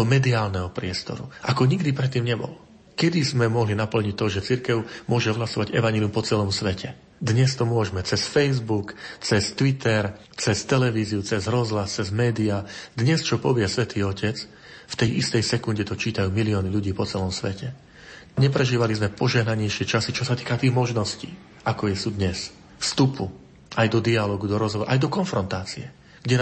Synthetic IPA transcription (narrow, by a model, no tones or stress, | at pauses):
ɔmɛd̪iaːlnɛɦɔpɾɪɛst̪ɔ̰ɾṵʔakɔɲiɡd̪ipɾɛt̪ːiːmɲɛbɔ̰l | kɛd̪izmɛmɔɦlinapl̩ɲic̚t̪ːɔʒɛt͡siɾkɛʊmʊɔʒɛɔɦlasɔʋaɟɛʋaɲɛlijumpɔt͡sɛlɔmsʋɛcʰɛ | d̪ɲɛst̪ɔmʊɔʒmɛt͡sɛsfɛjzbukt͡sɛst̪ʋit̪ɛɾ | t͡sɛst̪ɛlɛʋiːziut͡sɛzɦɾɔzɦlast͡sɛzmɛːd̪iad̪ɲɛst͡ʃɔpɔʋɪɛsʋɛt̪ʰiːɔcɛt͡s | ft̪ɛjʔist̪ɛjsɛkunɟɛt̪ɔt͡ʃiːt̪ajuːmiliɔːniʎuɟiːpɔt͡sɛlɔmsʋɛcɛ | ɲɛpɾɛʒiːʋalizmɛpɔʒɛɦnaɲɛjʃɪɛt͡ʃasit͡ʃɔsat̪iːkat̪iːɣmɔʒnɔscḭː | akɔjɛsuːd̪ɲɛs | fst̪upʰu | ʔajd̪ɔd̪ialɔːɡud̪ɔɾɔzɦɔʋɔɾa̰ʔajd̪ɔkɔnfɾɔnt̪aːt͡siɛ | ɡ̥ɟɛn